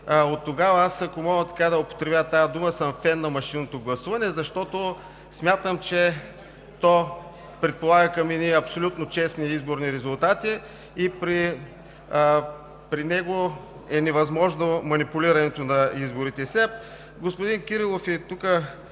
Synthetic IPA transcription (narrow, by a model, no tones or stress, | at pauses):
ot̪ːoɡavɐasɐkomɔɡət̪ɐ̥kad̪ɐopo̥t̪ɾɛbʲjat̪ajɐd̪uməsəmfɛnːɐmɐʃinot̪oɡlˠɐsuvɐnɛzɐʃt̪ɔt̪o | smʲjat̪əmt͡ʃɛ | t̪ɔ | pɾɛt̪̚polˠaɡəkɐmɛniɐpsolʲut̪not͡ʃɛsniizboɾniɾɛzʊlˠt̪at̪iː | pɾi | pɾinɛɡo | ɛnɛvɐzmɔʒnomɐnipulʲiɾɐnɛt̪onɐizboɾit̪ɛsʲɛ | ɡospod̪inkiɾilˠofɛt̪ukə